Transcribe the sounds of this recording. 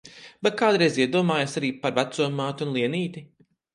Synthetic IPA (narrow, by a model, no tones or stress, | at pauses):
bɛt̪̚kaːd̪ɾɛjziɛd̪uɔmaːjasaɾiːpaɾvat̪suɔmaːt̪unlˠiɛniːt̪i